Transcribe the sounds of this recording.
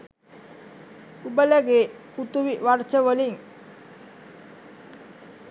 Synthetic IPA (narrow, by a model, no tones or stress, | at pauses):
ubələɡe | put̪uʋiʋart͡ʃəʋəliŋ